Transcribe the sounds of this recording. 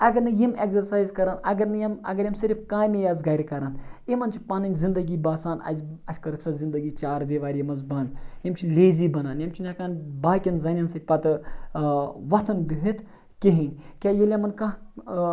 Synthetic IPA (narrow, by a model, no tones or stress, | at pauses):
ɐɡɐɾnɨjimeɡzɐɾsaːjzkɐɾaːnɐɡɐɾnɨjɐmɐ̰ɡɐɾjɐmsiɾfkaːjmʲijaːzɡɐɾʲkɐɾanimɐnt͡ʃʰi̥pɐnɐnʲzind̪ɐɡʲiːbaːsaːnɐ̰zʲɐsʰʲkɐɾɨksɐzind̪ɐɡiːt͡ʃaːɾd̪iʋaːɾʲjimɐzbɐnjimt͡ʃʰileːzibɐnaːnjɐmt͡ʃʰinʲakaːnbaːkʲɐnzɐnʲɐnsɐt̪̚ʲpɐt̪ɨ | ʋɐt̪ʰɐnbʲiɦit̪ | kiɦinʲkʲaːjelʲjɐmɐnkãː